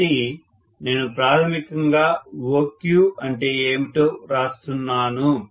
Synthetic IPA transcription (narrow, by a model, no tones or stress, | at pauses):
i | ne̞ːnupɾaːt̪ʰɐmikɐŋɡaːwoːkjuɐɳʈe̞ːeːmiʈo̞ːɾaːst̪unːaːnu